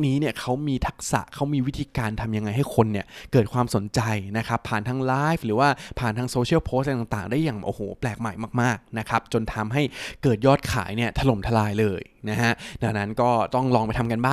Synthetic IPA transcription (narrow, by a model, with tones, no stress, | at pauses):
niː˦˥ni˥˩ɐkʰa˦˥wmiː˧t̪ʰa˦˥k̚sa̰˨˩ʔkʰa˦˥wmiː˧wi˦˥t̪ʰiː˧kaː˧nt̪ʰa˧mja˧ŋːa˧jɦa˥˩jkʰo˧nːi˥˩ɐkɤː˨˩t̪̚kʰwaː˧mso˩˦nt͡ɕa˧jna˦˥kʰa˦˥pʰːaː˨˩nt̪ʰaː˧ŋlaː˦˥jfɾɯː˩˦waː˥˩pʰaː˨˩nt̪ʰaː˧ŋsoː˧t͡ɕʰi˥˩wpʰoː˦˥st̪a˨˩ŋt̪aː˨˩ŋdaː˥˩jːaː˨˩ŋʔo̰ː˨˩hoː˨˩˦plɛː˨˩k̚maː˨˩˦jmaː˥˩k̚maː˥˩k̚na˦˥kʰa˦˥p̚t͡ɕo˧nt̪ʰa˧mɦa˥˩jkɤː˨˩t̪̚jɔː˥˩t̪̚kʰa̰ː˩˦jni˥˩ɐt̪ʰa˧lo˨˩mt̪ʰa˧laː˧jlɤː˧jna˦˥ɦa˦˥ʔda˧wna˦˥nkɔː˥˩t̪ɔ˥˩ŋlɔː˧ŋpa˧jt̪ʰa˧mka˧nbaː˥˩